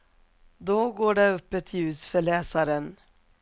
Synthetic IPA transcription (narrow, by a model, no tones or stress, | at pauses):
d̪oːɡoːɖɛɵpːət̪ʰɪjʉ̟ːsfœɭɛːsaɾən